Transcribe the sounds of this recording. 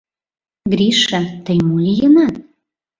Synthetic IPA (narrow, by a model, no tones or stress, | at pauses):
ɡɾiʃat̪əjmulʲijənɑt̪̚